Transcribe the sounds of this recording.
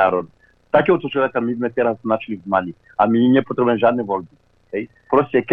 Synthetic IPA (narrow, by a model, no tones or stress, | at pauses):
aɾɔd̪ | t̪akʲiɔt̪ɔt͡ʃɔakamid̪mɛt̪ɛɾasnat͡ʃilivmalʲi | amiɲʲɛpɔt̪ɾɛbɛnʒad̪nivɔlbi | ɛj | pɾɔsʲiɛk